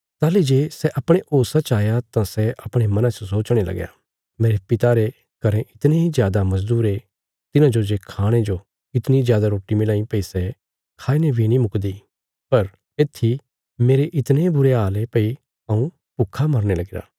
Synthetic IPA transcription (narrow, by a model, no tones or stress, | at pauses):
t̪aːlid͡ʒeːsɛʔɐpɽ̃eʔoːsat͡ʃaːjat̪ãsɛʔɐpɽ̃emɐ̃nãt͡ʃəsoːt͡ʃɽ̃elɐ̰ɡja̰ | meːɾepɪt̪aɾe | kɐɾẽʔɪt̪neɦizjaːd̪amɐzd̪uːɾe | t̪ɪnãd͡ʒod͡ʒekʰaːɽ̃ed͡ʒo | ɪt̪nizjaːd̪aɾoːʈːimɪlãːĩpɐisɛ | kʰaːinebʱinĩmʊkd̪i | pɐɾ | eːt̪ʰːi | meːɾeʔɪt̪nebʊɾeɦaːlepɐi | ɐũ | pʊkʰːamɐɾñelɐɡɪɾa̰ː